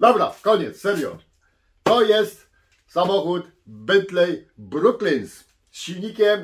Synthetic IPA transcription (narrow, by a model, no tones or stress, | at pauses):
d̪ɔbɾa̰kɔɲɛt̪ssɛɾjɔ̰n | t̪ɔjɛst̪ | samɔxut̪ | bɛnt̪lɛjbɾuklins | ɕiɲikʲɛm